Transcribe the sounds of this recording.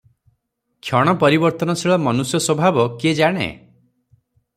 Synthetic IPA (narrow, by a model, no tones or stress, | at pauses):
kʰjɔɽ̃ɔpɔɾibɔɾt̪ɔnɔsʰiɭɔmɔnusjɔswɔbʱabɔked͡ʒaɽ̃ḛ